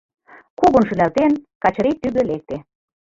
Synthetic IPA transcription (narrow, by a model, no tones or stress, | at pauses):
kuɣŏnʃynælt̪enkɑt͡ɕɤ̆ɾet̪yɣø̆lek̚t̪e